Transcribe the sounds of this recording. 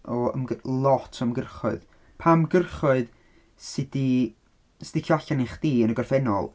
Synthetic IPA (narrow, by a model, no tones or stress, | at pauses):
ɔə̰mlˠɔtʰəmɡərχʊɨð | pʰamɡərχʊɨð | sɪd̥i | sd̥ikʰjɔaɬanɪχd̥iːənəɡɔrfɛnɔ̰lˠ